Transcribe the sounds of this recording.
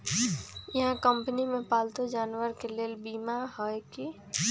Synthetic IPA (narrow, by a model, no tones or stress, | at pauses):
jəɦãkəmpənimepaːlt̪od͡ʒaːnwəɾkeleːlbiːmaɦɔjki